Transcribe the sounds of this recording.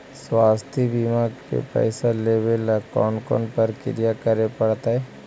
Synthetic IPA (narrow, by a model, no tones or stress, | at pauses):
swaːst̪ʰibimaɡkḛpɛ̰ːɪsaleːbelkɔːnkɔ̰ːnpəɾkɪ̰ɾijakəɾepɐɽt̪aɦɛː